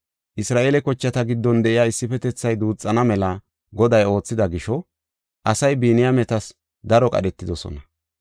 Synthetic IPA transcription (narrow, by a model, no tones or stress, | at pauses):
ʔɪsɾaːʔelɛkɔt͡ʃːɐt̪ɐɡɪd̪ːɔnd̪ɛʔɪjaːɪsːɪfɛt̪ɛt͡sːɐjd̪uːt͡sʼːɐnɐmɛlɐ | ɡɔd̪ɐjo̞ːt͡sːɪd̪ɐɡɪʃɔ | ʔɐsɐjbiːnɪjamɛt̪ɐs | d̪ɐɾɔkʼɐ̰ɗɛt̪ːɪd̪ɔsɔ̰nɐ